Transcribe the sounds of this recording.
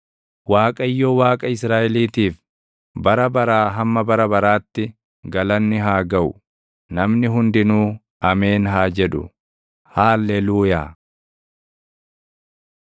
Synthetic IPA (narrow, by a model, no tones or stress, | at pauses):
waːkʼɐjːoːwaːkʼɐɪs̬ɾaːʔɛliːt̪iːf | bɐɾɐbɐɾaːɦɐmːɐbɐɾɐbɐɾaːt̪ːɪ | ɡɐlɐnːɪɦaːɡɐʊ | nɐmnɪɦʊnd̪ɪnuː | ʔɐme̞ːnɦaːd͡ʒɛᶑʊ̰ | haːlːɛluːjaː